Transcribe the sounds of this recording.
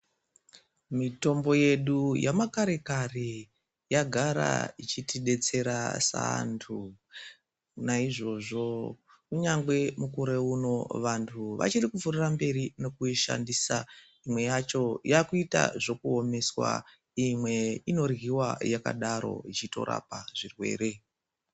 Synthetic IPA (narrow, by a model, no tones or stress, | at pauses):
mito̞mbo̞je̞ɗujamakaɾe̞kare | jaɡʱaɾa̰it͡ʃitiɗe̞t͡se̞ɾasa̰ntʰu | naiʐo̞ʐo̞ | kuɲaŋɡwe̞mukuɾe̞uno̞ʋantʰuʋa̰t͡ʃirikuvurirambe̞ɾino̞kuiʃa̰ndisa | imwe̞jat͡ʃo̞jakuita̰ʐo̞kuo̞me̞swa̰ | imwe̞ino̞rɣiwajaka̰ɗaɾo̞̰it͡ʃito̞̰ɾa̰paʐirwe̞̰ːɾe̞